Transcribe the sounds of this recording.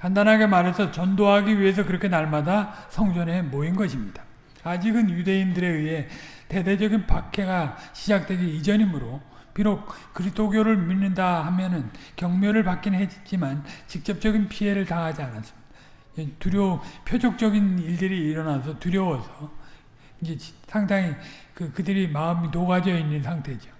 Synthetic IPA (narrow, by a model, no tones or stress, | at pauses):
kandanɦaɡe̞maɾe̞sʰʌt͡ɕʌndoɦaɡiɥiɦe̞s̬ʰʌkɯɾʌkʰe̞naɭmadasʰʌŋd͡ʑʌne̞moinɡʌɕʰimɲid̥ḁː | d͡ʑiɡɯnjude̞indɯɾe̞ɥiɦe̞te̞de̞d͡ʑʌɡinpakʰe̞ɡaɕʰid͡ʑak̚t͈we̞ɡiid͡ʑʌɲimɯɾo | piɾok̚k͈ɯɾisdʰoɡjoɾɯɭminːɯndahamjʌnɯnkjʌŋmjʌɾɯɭpak͈inɦed͡ʑit͡ɕ͈imant͡ɕik̚t͡ɕ͈ʌp̚t͡ɕ͈ʌɡinpʰie̞ɾɯɭtaŋɦad͡ʑianas͈ɯ̥mɲid̥ḁ | d͡ʑetuɾjopʰjod͡ʑʰok̚t͡ɕ͈ʌɡiniɭdɯɾiːɾʌnasʰʌtuɾjʌwʌsʰʌ | ind͡ʑe̞sʰaŋdaŋikɯkɯdɯɾimaɯmitoɡad͡ʑʌinːɯnsʰaŋtʰe̞d͡ʑo